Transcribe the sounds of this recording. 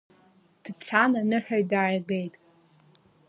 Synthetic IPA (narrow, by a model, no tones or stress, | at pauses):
d̥t͡sʰananɨħᶣaɥdajɡejtʼ